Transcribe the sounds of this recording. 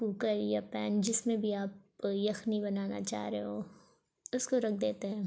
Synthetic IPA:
kuːkəɾjapɛ̰ːnd͡ʒɪsmẽbʱiaːp̚jɐxnibɐnaːna̰t͡ʃa̰ːɦɾeɦo | ʊskoɾɐk̚ʰd̪eːt̪eɦɛ̃ː

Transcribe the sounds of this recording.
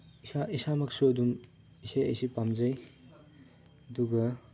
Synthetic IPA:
isaisamaksuɐdum | isajḛjsipamzaj | duɡɐ

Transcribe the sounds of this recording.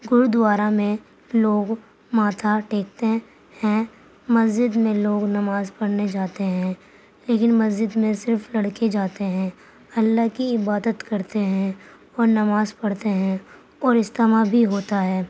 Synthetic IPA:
ɡʊɾd̪waːɾamẽ | loːɡ | maːt̪ʰaʈeːk̚t̪e | hɛ̃ | mɐzd͡ʒɪd̪mẽloːɡnɐmaːzpɐɽned͡ʒaːt̪eɦɛ̃ː | leːkɪnmɐzd͡ʒɪd̪mẽsɪɾflɐɽked͡ʒaːt̪eɦɛ̃ː | ɐlːaɦkiɪbaːd̪ət̪kɐɾt̪eɦɛ̃ | ɔːɾnɐmaːzpɐɽt̪eɦɛ̃ | ɔːɾɪst̪əmabʱiɦoːt̪aɦɛː

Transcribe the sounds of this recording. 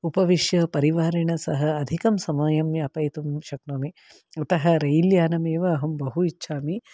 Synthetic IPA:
upɐʋiʃjɐpɐɾiʋaːɾiɳɐsɐɦɐːd̪ʱikɐmsɐmɐjɐmjɐɐpɐjt̪umʃɐknoːmi | ut̪ɐɦɐ̆ɾɐjiljaːnɐmeːʋɐːɦɐmbɐɦuitːʃʰaːmi

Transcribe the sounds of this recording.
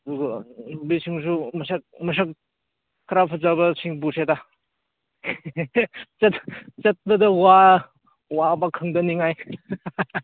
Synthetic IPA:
duɡɐbisiŋs̬umɐsak̚mɐs̬ak | kʰːɾapʰuzabɐsʰiŋbuseda | t͡ʃɐtt͡ʃɐt̚bɐdɐwa | wabakʰɯŋdɐniŋaj

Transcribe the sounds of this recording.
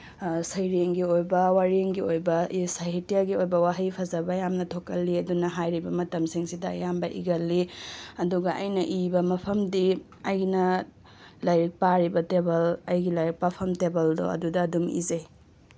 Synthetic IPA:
sɐjɾeŋɡiojbɐwaɾeŋɡiojbɐʔsaɦitijaɡiojbɐwaɦɐjpʰɐzɐbɐjamnɐtʰokɐlːiɐdunɐɦajɾibɐmɐtɐmsiŋsidɐjambɐʔḭɡɐlːiɐduɡɐʔɐ̰jnɐʔibɐmɐpʰɐmdi | ɐjnɐ | lajɾik̚paɾibɐtebɐlɐjɡilajɾik̚papʰɐmtebɐldɔ̰ɐ̰dudɐːdumḭzɐj

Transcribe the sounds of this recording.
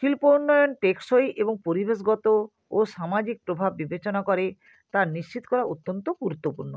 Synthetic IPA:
ʃilpounːɔjonʈekʃojʔeboŋpoɾibeʃ̬ɡɔt̪o | oʃamad͡ʑik̚pɾobʱabːibet͡ɕonakoɾe | t̪aɾniʃt͡ɕit̪o̥kɔɾaut̪ːont̪oɡuɾut̪ːopuɾno

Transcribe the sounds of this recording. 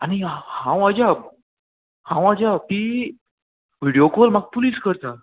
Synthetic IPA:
añihãw̃ad͡ʑa | hãw̃ad͡ʑapiː | ʋiɽijokolmaɡ̚puliːskəɾt̪a

